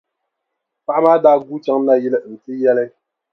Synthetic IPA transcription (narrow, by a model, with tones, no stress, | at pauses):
pa˦ʔmaː˦daː˦ɡu˦t͡ʃa˦ŋ˦na˦ji˦lɛ˦˨n̩˨ti˦jɛ˦lɛ˦